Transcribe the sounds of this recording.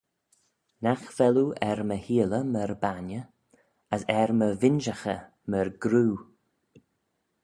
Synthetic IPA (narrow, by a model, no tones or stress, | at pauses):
naxv̥ɛluɛɾməhiːləməɾbanə | əsɛɹməvɪnʒaxə | məɹɡɾuː